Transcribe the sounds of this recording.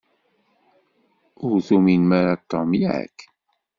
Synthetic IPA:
ʊɾθuminmaɾat̪ːɑmjæ̰k

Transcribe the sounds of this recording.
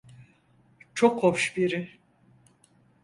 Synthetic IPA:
t͡ʃʰokhopʃbiɾɪ

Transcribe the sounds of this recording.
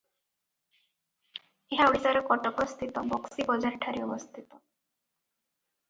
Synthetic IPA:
eɦauɽit̪aɾɔkɔʈɔkɔst̪ʰit̪ɔbɔksibɔd͡ʒaɾʈʰaɾiɔbɔst̪ʰit̪ɔ

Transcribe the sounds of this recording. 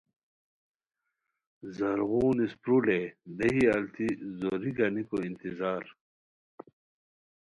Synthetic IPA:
zɐɾɣuːnispɾuled̪ɐɦiɐlt̪ʰizoɾiɡɐnikoint̪izaːɾ

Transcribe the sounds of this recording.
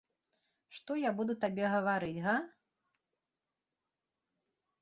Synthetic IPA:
ʂt̪ɔjabud̪ut̪abʲɛɣɐvaɾɨt͡sʲɣɐ

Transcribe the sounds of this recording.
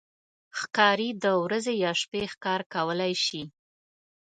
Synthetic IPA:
xkɑɾid̪əwɾazejɑʃpexkɑɾkawəlajʃi

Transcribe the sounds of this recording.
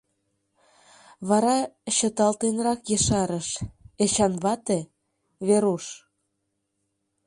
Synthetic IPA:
βɑɾɑɕə̆t̪ɑlt̪enrɑkjə̆ʃɑɾəʃet͡ɕɑnβɑt̪e | βeɾuʃ

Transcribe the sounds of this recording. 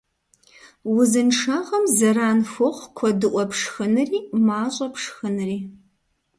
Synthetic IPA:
wʊzɨnʂʰaːʁɐmzɐɾaːnfʷʊʁʷkʷʰɔdɨʔʷɔpʰʂxɨnɨriːmaːɕʼɐpʂxɨnɨriː

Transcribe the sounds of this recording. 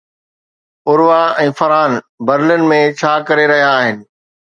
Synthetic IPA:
ʊɾʋaɛ̃ːfɐɾaːn | bɐɾlɪn̆mẽt͡ɕʰaːkɐɾeɾɐɦijaːɦɪnɪ̆

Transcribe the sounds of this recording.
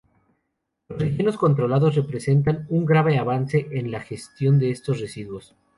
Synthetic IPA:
losrexje̞no̞sko̞nt̪ɾo̞laðo̞z̬re̞pɾe̞se̞nt̪anuŋɡɾaβe̞aβanse̞ʔenlaxe̞st̪jo̞nd̪e̞est̪o̞sre̞siðwo̞s

